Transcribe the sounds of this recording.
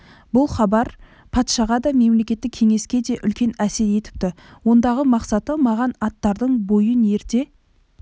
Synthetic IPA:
bʊlˠχɑbɑɾ | pʰɑt̪ʃɑʁɑd̪ɑme̞mle̞kʲe̞t̪ːɪkʲʰe̞ŋe̞skʲe̞d̪e̞ʔʏlkʲe̞næse̞ɾje̞t̪ɪ̥p̚t̪ɪ | wo̞nd̪ɑʁəmɑqsɑt̪əmɑʁɑnɑt̪ːɑɾd̪əɴbo̞jəne̞ɾt̪e̞

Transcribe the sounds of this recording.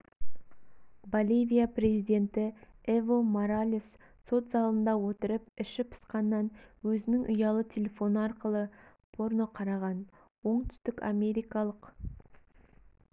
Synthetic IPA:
bolʲijvʲijapre̞zijd̪e̞nt̪ɪevo̞moɾalʲis | so̞t̪zɑlˠənd̪ɑwɵt̪ɪɾɪpɪʃɪpʰə̥sqɑnːɑnwɵzɪnɪŋʔʊjɑlˠət̪ʲʰe̞lʲe̞fo̞nəɑɾqəlˠə | pʰo̞ɾno̞qʰɑɾɑʁɑn | wo̞ɴt̪ʰʏ̥st̪ɪkʲa̰me̞ɾijkɑlˠəq

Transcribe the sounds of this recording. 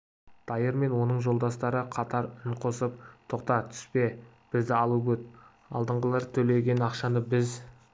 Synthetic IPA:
d̪̥ɑjəɾme̞nwo̞nəɴʒo̞lˠd̪ɑst̪ɑɾəqʰɑt̪ɑɾəɴqʰosəp̚t̪ʰoqt̪ɑt̪ʰʏ̥spe̞ | b̥ɪzd̪ɪɑlˠəbɵt̪̚ | ɑ̰lˠd̪əɴʁəlˠɑɾt̪ʰɵle̞ɡʲe̞nɑqʃɑnəbɪz

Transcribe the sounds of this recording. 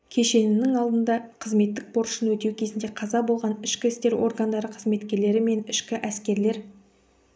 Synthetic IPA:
kʲʰe̞ʃe̞nɪnɪŋɑlˠd̪ənd̪ɑqʰəzme̞t̪ːɪk̚po̞ɾʊ̥ʃənwɵt̪e̞wkʲʰe̞zɪnd̪e̞qʰɑzɑbo̞lˠʁɑnɪʃkʲɪɪst̪e̞ɾo̞̰rɡand̪ɑɾəqʰəzme̞t̪kʲe̞ɾle̞ɾɪme̞nɪʃkʲɪʔæskʲe̞ɾle̞ɾ

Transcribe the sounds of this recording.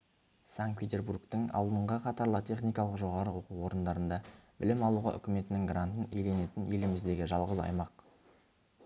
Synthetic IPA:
saŋkt̪̚pʲe̞t̪ʲe̞rburkt̪əŋɑ̰lˠd̪əɴʁəqʰɑt̪ɑɾlˠət̪ʲʰe̞χnijkɑlˠəqʒo̞ʁɑɾəwoquwo̞ɾənd̪ɑɾənd̪ɑbɪlɪmɑlˠuʁɑ̰ʔʏ̰kʲɪme̞t̪ɪnɪŋɡrant̪ənejle̞ne̞t̪ɪnje̞lɪmɪzd̪e̞ɡʲɪʒɑlˠʁəzɑ̰jmɑq

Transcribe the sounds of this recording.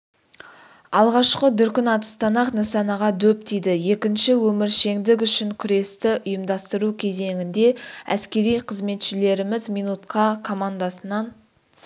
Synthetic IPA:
ɑlˠʁɑʃqəd̪ʏɾkʲɪnɑt̪ə̥st̪ɑnɑqnɑsɑnɑʁɑd̪ɵp̚t̪ejd̪ɪje̞kʲɪnʃɪwɵmɪɾʃe̞ŋd̪ɪk̬ʏʃɪŋkʲʰʏɾe̞st̪ɪʔʊjəmd̪ɑst̪əɾukʲʰe̞ze̞ŋɪnd̪e̞æ̰skʲe̞ɾijqʰəzme̞t̪ʃɪle̞ɾɪmɪzmijnut̪qʰɑkʰo̞mand̪ɑsənɑn

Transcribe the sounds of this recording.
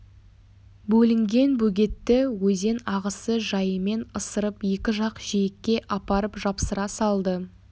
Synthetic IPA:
bɵlɪŋɡʲe̞nbɵɡʲe̞t̪ːɪwɵze̞nɑʁəsəʒɑjəme̞nəsəɾəpje̞kʲɪʒɑqʒ̥ijekʲːe̞ʔɑpɑɾəpʒɑpsəɾɑsɑlˠd̪ə

